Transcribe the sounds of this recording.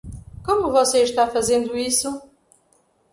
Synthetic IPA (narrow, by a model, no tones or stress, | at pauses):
komuvɔseʃt̪afɐzẽnd̪uisu